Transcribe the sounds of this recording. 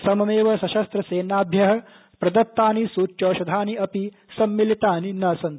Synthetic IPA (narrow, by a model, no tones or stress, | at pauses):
sɐmɐmeːʋɐsɐʃɐst̪ɾɐseːnaːbʱjɐɦɐ̆ | pɾɐd̪ɐt̪ːaːnisuːt͡ʃːoːʃɐd̪ʱaːniɐpi | sɐmːilit̪aːninɐsɐn